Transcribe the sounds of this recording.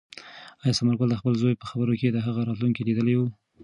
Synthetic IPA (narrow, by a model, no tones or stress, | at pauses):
ɑjɑsamaɾkold̪əxpəlzojpəxabəɾoked̪əɦaɣaɾɑt̪luŋkilid̪əlewu